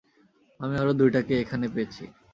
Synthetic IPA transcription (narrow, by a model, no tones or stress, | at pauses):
amiɔɾod̪ujʈakeekʰanepejet͡ɕʰḭ